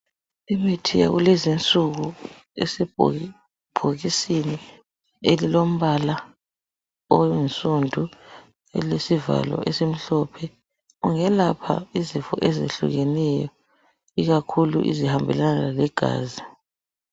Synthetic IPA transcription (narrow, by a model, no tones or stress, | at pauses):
imetʰija̰ɣulɛzint͡sʼuɣu | ḛsi | b̥ʱoɣisini | elilom̩βala | ojinsʼundʱu | ɛ̰lesiva̰lɔ̰ʔesem̩ɬɔpʰɛ | ɣuŋɛlapʰa̰izifɔ̰ʔɛzḛɬṵɣɛnɛjɔ | iɣakʰulṵʔḭzihambʱɛlanalalɛɡ̥ʱa̰ːzi